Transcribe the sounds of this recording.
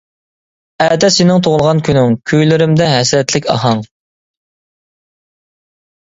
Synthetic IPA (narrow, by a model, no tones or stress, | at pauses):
ɛd̪ɛsɪnɪŋt̪ʰoʁlˠʁɑnkʲʰynɪŋkʲʰyjlɪɾɪmd̪ɛɦɛsɾɛt̪lɪkʲɑ̰ɦɑŋ